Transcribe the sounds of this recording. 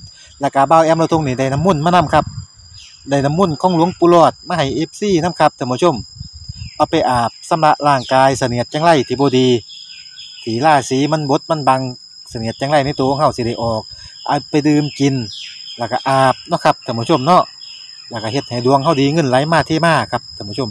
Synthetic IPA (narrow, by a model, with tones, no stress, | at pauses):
laː˧˩˨ka˧˩baː˧˨wʔɛː˧˥˨mla˧t̪ʰo˧˨ŋniː˧˩da˧˩jna˧˥˨mːu˧˥˨nmaː˧na˧˨mkʰa˧p̚ | da˧˩˨jna˧˥˨mːu˧˥˨nkʰɔː˧˥˨lu˧˦əŋpuː˧˨lɔː˧˩t̪̚maː˧ha˨˩jʔeː˧˦p̚siː˧˨na˧˥˨mkʰa˧˩p̚t̪ʰɯ˧˨m˧˥˨t͡ɕʰo˧˨m | ʔa˧˩wpa˧˨jʔaː˨˩p̚sa˧˦mla˧ʔlaː˧˩ŋkaː˧jsa˧ni˧˩ət̪̚ɲa˧ŋla˧˩˨jt̪ʰiː˧˦bɔː˧diː˧ | t̪ʰiː˨˩laː˧˩siː˨˦ma˧˥˨nbo˧˦t̪̚ma˧˥˨nba˧ŋ | sa˧ni˧˩ət̪̚ɲa˧ŋla˧˩jna˧˥˨jt̪oː˧˨˧ŋɦa˧˨wsi˧da˧˩jʔɔː˨˩k̚ | ʔa̰˧˩wpa˧˨jdɯː˧mki˧nla˧˩ka˧ʔaː˧˩p̚nɔ˧˥˨kʰa˧p̚t̪ʰa˧˨buː˧˥˨t͡ɕʰo˧˩˨mnɔ˧˥ | la˧˩ka˧˩ɦe˧t̪̚ha˨˩jdu˧əŋɦa˧˩wdiː˧ŋɤ˧˥˨nla˨˧˥jmaː˧˩t̪ʰiː˧˨maː˧˩kʰa˧p̚t̪ʰa˧˩˨bu˧˥˨o˧˨m